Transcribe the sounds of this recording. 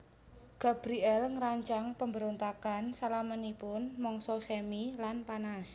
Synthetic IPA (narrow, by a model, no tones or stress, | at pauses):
ɡ̥a̤b̥ɾiɛlŋəɾaɲt͡ʃaŋpəmbəɾont̪akansalamənipʊnmɔŋsɔsɛmilanpanas